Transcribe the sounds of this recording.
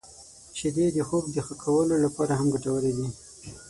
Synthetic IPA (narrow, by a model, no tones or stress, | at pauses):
t͡ʃed̪ed̪əxob̚d̪əxəkʰawəlolapɑɾaɦamɡaʈawəled̪i